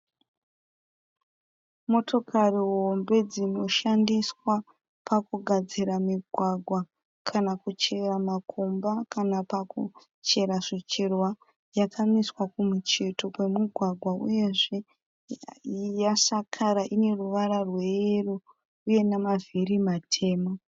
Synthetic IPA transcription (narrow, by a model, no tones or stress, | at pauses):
mo̞to̞kʰariɦombe̞d͡zino̞ʃandiswa | pʰakuɡʱad͡ziɾamiɡʱwaɡʱwa | kʰanakut͡ʃe̞ramakʰombakanapaku | t͡ʃe̞ɾaʐit͡ʃirwa | jakʰamiswakumut͡ʃe̞to̞kwe̞muɡʱwaɡʱwaṵje̞ʐe̞ | jasakʰaɾaʔine̞ruʋaɾarwe̞ro | uje̞namavirimatʰe̞ːmo